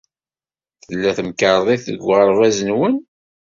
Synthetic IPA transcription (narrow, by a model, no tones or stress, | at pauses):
θəlːæθəmkəɾˤðˤiθə̰ɡʷːʁəɾˤvæzənwən